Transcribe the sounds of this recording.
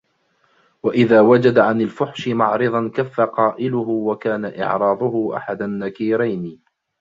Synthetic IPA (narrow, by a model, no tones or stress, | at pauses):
waʔɪðaːwad͡ʒad̪aʕanalfʊħʃɪmɑʕɾɨðˤɑnkafːaqɑːʔɪlʊɦʊwakaːnaʔɪ̰ʕɾˤɑːd̪ˤʊhʊʔa̰ħad̪anːakiːɾajn